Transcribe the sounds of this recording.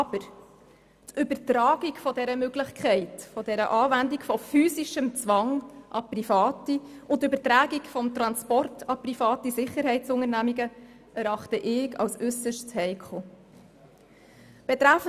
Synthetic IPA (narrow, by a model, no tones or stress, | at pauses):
ɑb̥əɾ | tʏbəɾtɾɑːɡ̥ikfɔdɛɾəmøɡlɪχkʰɛɪtfɔd̥ɛɾəʔɑːvændikfɔfyːsiʃəmt͡sʋɑŋʔɑprifɑːtiʔʊntøbəɾtɾæːɡikfɔmt̪ɾɑnspɔrtɑprifɑːtisɪχːəɾɦɛɪtt͡sʊŋəɾnæmiɡə | æɾɑχtəʔɪɡɑ̰wsʉsəʃtt͡shɛɪkʰo | b̥ɛt̪ɾæfə